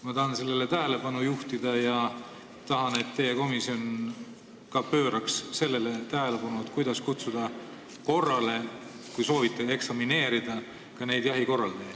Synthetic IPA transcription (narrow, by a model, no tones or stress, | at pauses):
mɑt̪ɑhɑnse̞lːe̞le̞t̪æɦele̞pɑnujuht̪id̪ɑjɑ | t̪ɑɦɑne̞t̪ːe̞jeko̞misio̞n | kɑpø̞ːɾɑksse̞lːe̞le̞t̪æɦe̞le̞pɑnuet̪ːˑkujd̪̥ɑskut̪sud̪̥ɑ | ko̞rːɑle̞ | kujso̞ːvit̪ːˑee̞ksɑmine̞ːɾid̪̥ɑ | kɑne̞jd̪̥jɑɦiko̞rːɑld̪ej